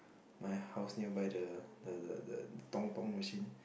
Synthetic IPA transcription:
majhawsniwbajdə | tɔŋpaŋmasin

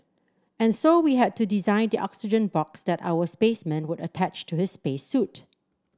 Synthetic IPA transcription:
ɛ̃nsowiɦɛd̚tudizãɪ̃ndiʔɔ̰ksɪd͡ʒə̃nbɔksd̪ɛta̰wəspesmɛ̃nwʊdətʰæt͡ʃtʰuhɪsspesːut

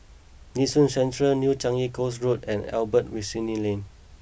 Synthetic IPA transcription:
nisũnsɛ̃ntɹəlnjut͡ʃãŋikosɹut̚ɛ̃nɛ̰lbət̚wisĩnilẽn

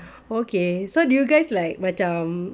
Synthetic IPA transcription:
okesodujuɡaɪslaɪk̚bat͡ʃam

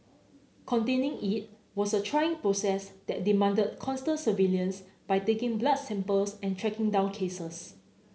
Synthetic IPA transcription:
kʰɔ̃ntẽnɪ̃ŋit̚ | wɔsətʰɹajɪ̃ŋpɹosɛsd̥ɛt̚dimãndəd̚kʰɔ̃nstə̃ntsəviljə̃nsb̥ajtekɪ̃ŋblad̚sɛ̃mpəlsɛ̃ntʰɹɛkɪ̃ŋdãw̃nkʰesəs

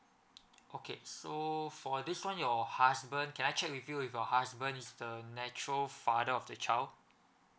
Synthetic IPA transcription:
ʔokʰesofɔdiswãnjɔhasbə̃nkʰɛ̃najt͡ʃɛk̚wifjuwifjɔhasbə̃nisdənɛt͡ʃɹəlfadəɔfdət͡ʃaɪld

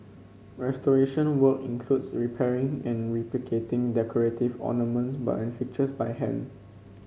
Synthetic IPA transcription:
ɹɛstɔɹeʃə̃nwəkĩnkʰl̥utsɹipʰɛɹɪ̃ŋɛ̃nɹiplikʰetɪ̃ŋdɛkʰɔɹetivɔ̰nəmə̃nsba̰tɛ̃nfik̚t͡ʃəsbajhɛ̰̃n

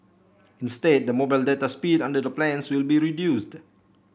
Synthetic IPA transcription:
ĩnsted̚dəmobaɪldɛtaspidãndədəplɛ̃nswilbiɹidjust

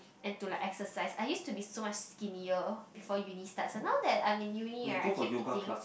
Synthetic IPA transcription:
ɛ̃ntulaɪkɛksəsaɪsajjustubisomat͡ʃskiniəbifɔjunistatsonaʊdɛt̚ãjmĩnjuniəkivĩtĩ

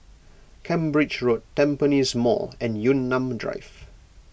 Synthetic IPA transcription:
kʰɛ̃mbɹɪd͡ʒɹotʰːɛ̃mpənizmɔ̰ɛ̃njunːãmdɹa̰ɪf

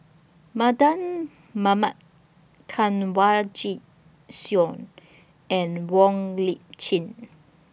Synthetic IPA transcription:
madãn | mamat | kʰãnwad͡ʒi | sjɔ̃n | ɛ̃nwɔ̃ŋlit͡ʃĩn

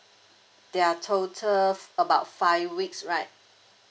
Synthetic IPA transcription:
d̥ɛatʰotʰələbaʊtfaɪvwiksɹaɪt̚

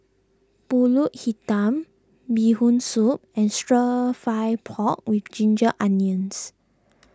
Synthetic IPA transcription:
puluʔ̚hitãm | bihũnsup̚ɛ̃nstɹəfajpʰɔk̚wifd͡ʒĩnd͡ʒəʔãnjə̃ns

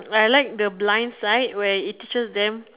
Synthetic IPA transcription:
ajlaɪk̚dəblãj̃nsaɪt̚wɛitːit͡ʃəsdɛ̃m

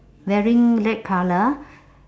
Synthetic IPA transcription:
wɛɹĩŋlɛt̚kʰalə

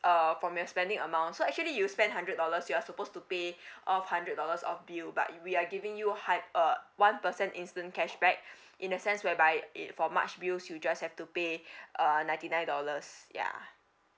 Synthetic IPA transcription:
ʔʌfɹɔ̃mjɔspɛ̃ndɪ̃ŋəmãʊ̃ntsoɛk̚t͡ʃuəlijuspɛ̃ndɦãndɹət̚dɔləsjuasəpostupeʔɔfhãndɹət̚dɔləsɔ̰fbilba̰t̚wiaɡivɪ̃ŋjuhaəwãnpəsɛ̃ntĩnstə̃nkɛʃbɛk̚ | ʔĩnəsɛ̃nswɛbaɪ̰fɔma̰t͡ʃbilsjud͡ʒashɛftupeʔʌnãɪ̃ntinãɪ̃ndɔləsja̰

